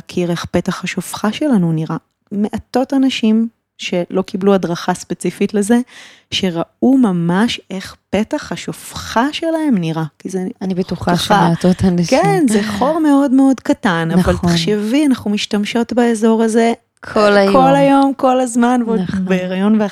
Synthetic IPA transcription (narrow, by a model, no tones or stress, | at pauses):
akʰiʁe̞χpe̞taχaʃofχaʃe̞lanuniʁa | meʔato̞tanaʃim | ʃe̞lo̞kibluadʁaχaspet͡sifitle̞ze̞ | ʃe̞ʁaumamaʃe̞χpe̞taχhaʃofχaʃe̞laemniʁakizeanibetuχaʃat̪otankenzeχo̞ʁmeo̞dmeo̞dkatanavalaχʃevianaχumiʃtamʃo̞tbaezo̞ʁaze̞ | kʰolkʰo̞lajo̞mko̞lazmanvbeeʁajo̞nve